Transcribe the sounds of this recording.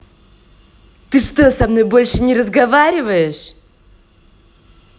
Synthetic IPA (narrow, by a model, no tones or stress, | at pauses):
t̪ɨʂt̪o̞sɐmno̞jbo̞lʲʂɨnʲɪɾəzɡɐvaɾʲɪvəjɪʂ